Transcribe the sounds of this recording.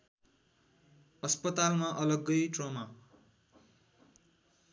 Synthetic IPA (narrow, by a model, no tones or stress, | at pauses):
ʌspʌt̪almaʔʌlʌɡʌjʈrʌma